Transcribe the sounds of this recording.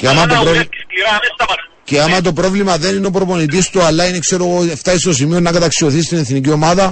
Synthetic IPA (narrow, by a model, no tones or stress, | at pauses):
ceɐmɐt̪oɾo | ceɐmɐt̪̬o̞pɾo̞vlimɐðenineo̞pɾo̞po̞nit̪̬ist̪uɐlːɐinekse̞ɾo̞ɣoft̪ɐist̪os̬imionːɐkɐt̪ɐksio̞θist̪ine̞θnicio̞mɐðɐ